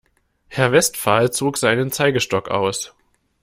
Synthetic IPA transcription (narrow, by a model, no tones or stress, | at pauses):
hɛɐvɛstfaːlt͡soːkz̥aɪnənt͡saɪɡəʃtɔka̰ʊs